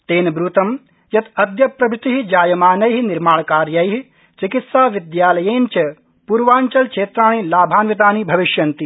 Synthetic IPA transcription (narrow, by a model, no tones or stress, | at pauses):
t̪eːnɐbɾuːt̪ɐm | jɐt̪ɐd̪jɐpɾɐbʱɪt̪iɦid͡ʒaːjɐmaːnɐjɦiniɾmaːɭkaːɾjɐjɦi | t͡ʃikit̪saːʋid̪jaːlɐjeːnt͡ʃɐ | puɾʋaːɲt͡ʃɐlt͡ʃʰeːt̪ɾaːnilaːbʱaːnʋit̪aːnibʱɐʋiʃjɐnt̪i